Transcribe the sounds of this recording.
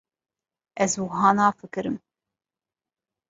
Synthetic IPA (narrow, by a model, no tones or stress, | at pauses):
ɛzwɨɦɑːnɑːfɨkɨɾɨm